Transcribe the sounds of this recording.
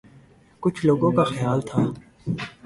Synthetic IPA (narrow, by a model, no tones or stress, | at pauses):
kʊt͡ʃʰloːɡõkaxjaːlt̪ʰaː